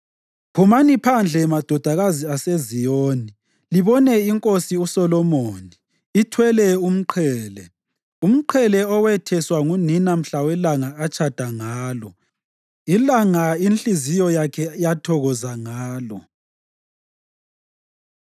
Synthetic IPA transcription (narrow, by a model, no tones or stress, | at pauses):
pʰumanipʰand͡ɮʱɛmad̥ʱɔd̥ʱaɣaziasezijoːni | liβɔnɛiŋkʼosiusɔlɔmoːniː | tʰwɛlɛum̩ǃʰɛːlɛ | um̩ǃʰɛlɛɔwɛtʰɛswaŋuninam̩ɬawɛlaŋaat͡ʃʰad̥ʱaŋaːlɔ | ilaŋainɬizijɔjakʰɛjatʰɔɣɔzaŋaːlɔ